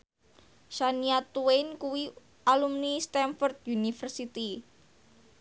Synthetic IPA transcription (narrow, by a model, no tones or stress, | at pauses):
ʃaniat̪uenkuwi | alumnist̪ɛnfɔrt̪̚junifərsit̪i